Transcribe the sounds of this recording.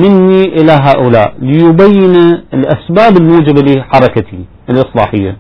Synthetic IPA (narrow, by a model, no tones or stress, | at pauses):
mɪnːiʔɪlaɦaːʔʊlaːʔlɪjʊbajːɪnaɪlʔasbaːbɪlmuːd͡ʒɪbaliːħɑɾˤɑkat̪i | ɪlʔɨsˤlɑ̰ːħɪjːa̰